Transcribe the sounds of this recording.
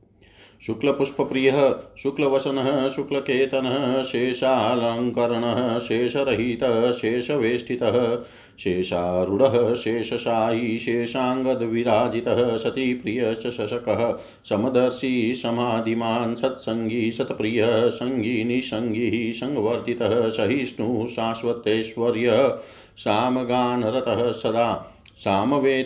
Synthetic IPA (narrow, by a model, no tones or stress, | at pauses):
ʃuklɐpuʂpɐpɾijɐɦɐ̆ʃuklɐʋɐsɐnɐɦɐ̆ʃuklɐkeːt̪ɐnɐɦɐʃeːʃaːlɐŋkɐɾɐɳɐɦɐ̆ʃeːʃɐɾɐɦit̪ɐɦɐ̆ʃeːʃɐʋeːsʈʰit̪ɐɦɐ̆ | ʃeːʃaːɾuɽɐɦɐʃeːʃɐʃaːɦiʃeːʃaːŋɡɐd̪ʋiɾaːd͡ʒit̪ɐɦɐsɐt̪ipɾijɐʃɐʃɐʃɐkɐɦɐ̆ | sɐmɐd̪ɐɾsisɐm̤aːd̪ʱimaːnsɐt̪sɐŋɡʱisɐt̪pɾijɐsɐŋɡʱiːnisɐŋɡʱiɦisɐŋɡɐʋɐɾt̪it̪ɐɦɐsɐɦisnuːʃaːsʋɐt̪ːeːʃʋɐɾjɐɦɐ̆ | saːmɐɡaːnɐɾɐt̪ɐɦɐ̆sɐd̪aː | saːmɐʋeː